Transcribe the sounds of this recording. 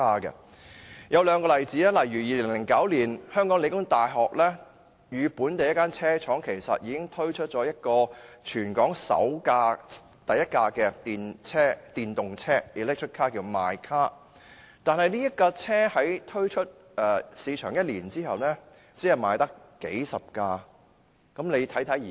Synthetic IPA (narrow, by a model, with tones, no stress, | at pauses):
aː˥kɛ̰˧ | jɐ˨˧wlœː˨˧ŋkɔː˧lɐ˨jt͡siː˨˥lɛː˥lɐ˨˩jɥyː˨˩jiː˨˧lɪ˨˩ŋlɪ˨˩ŋkɐ˨˥wliː˨˩nhœː˥ŋkɔː˨˥ŋle˨˧jkʊ˥ŋt̪aː˨jɦɔː˨k̚lɛː˥ | jyː˨˧puː˨˥nt̪e˨jɐ˥tkːaː˥nt͡sʰɛː˥t͡ʃʰɔː˨˥ŋkʰe˨˩jsɐ̰˨t̚jiː˨˧˥kɪ˥ŋt̪ʰɵ˥ɥt͡ʃʰɵ˥t̚t͡ʃɔː˨˥jɐ˥t̚kɔː˧t͡ʃʰyː˨˩nkɔː˨˥ŋsɐ̰˨˥wkaː˧ | t̪ɐ˨jɐ˥t̚kaː˧kɛː˧t̪iː˨˧nt͡sʰɛː˥t̪iː˨nt̪ʊ˨ŋt͡sʰɛː˥iː˨lɛː˥k̚t͡ʃʰɵ˥t̚kʰːaː˥kiː˧wmaː˨jkʰaː˥ | t̪aː˨nɦɐ˨jniː˥jɐ˥t̚kaː˧t͡sʰɛː˥hɐ˨˥jt̪ʰɵ˥ɥt͡ʃʰɵ˥t̚ | ʔɛː˨siː˨˧t͡ʃʰœ̰ː˨˩ŋjɐ˥t̚liː˨˩nt͡siː˥hɐ˨wnɛ˥ | t͡siː˨˥ɐ˨˩maː˨˧jt̪ɐ˥k | ke˨˥jsɐ˨p̚kaː˧ | kɐ˨˥mle˨˧jt̪ʰɐ˨˥jt̪ʰɐ˨˥j